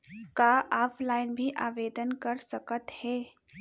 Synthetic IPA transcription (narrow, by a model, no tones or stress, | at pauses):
kaʔaːpʰlaːɪnbʱiʔaːʋeːd̪ənkɐɾsɐkət̪hɛː